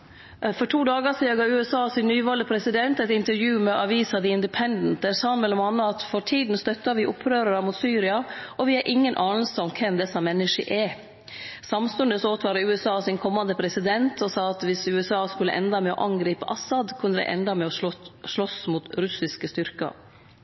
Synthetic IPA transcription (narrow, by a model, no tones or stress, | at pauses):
fɔʈʰuːd̪ɑːɡəsiːɑɡɑːʉːɛsɑːsɪnnːyːʋɑːləpʰɾɛsɪd̪ɛnt̪ɛɪt̪ɪnt̪əɾjʉːmɛʔɑʋiːsɑd̪ɪɪnd̪ɪpʰɛnd̪n̩t̪̚d̪ɛsɑːɑnmɛlɔmɑnːəɑt̪fɔɾʈʰiːd̪n̩st̪œt̪ːɑʋɪʔʊpʰːɾøːɾəɾəmuːt̪syːɾɪɑʔɔʋɪɛɾʔɪŋːənʔɑːnəlsəɔmkʰɛmd̪ɛsɑmɛnːɪʂə̰ʔɛ | sɑmst̪ʉnd̪əsɔoːt̪ʰʋɑːɾəʉːɛsɑːsɪnkʰɔmːɑnd̪əpʰɾɛsɪd̪ɛnt̪ʰɔsɑːɑt̪ʋɪsʉːɛsɑːskʉlːəʔɛnd̪ɑmɛɔ̰ʔɑŋɡɾiːpəʔɑsɑd̪kʰʉnəd̪ɛ̰ʔɛ̰nd̪ɑmɛɔʂɭɔsmut̪ɾʉsɪskəst̪ʏɾkɑ̰